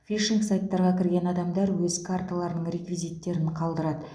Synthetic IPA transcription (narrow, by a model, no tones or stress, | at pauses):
fʲiʃiŋksajt̪ːɑɾʁɑkʲʰɪɾɡʲe̞nɑd̪ɑmd̪ɑɾwɵzkʰart̪alˠɑɾənəɴɾʲe̞kvʲijzijt̪ːe̞ɾɪnqʰɑlˠd̪əɾɑd̪ə